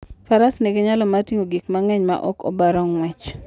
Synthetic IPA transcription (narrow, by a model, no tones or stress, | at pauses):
faɾasnɛɡeɲalɔmatiŋoɡikmaŋɛɲma̰ʔɔ̰kɔ̰baɾɔŋwɛt͡ʃ